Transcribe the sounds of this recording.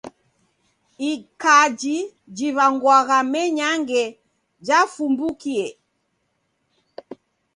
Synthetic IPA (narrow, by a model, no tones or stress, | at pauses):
ikad͡ʒi | d͡ʒiβaŋɡwaɣamɛɲaŋɡɛ | d͡ʒafumbukiɛ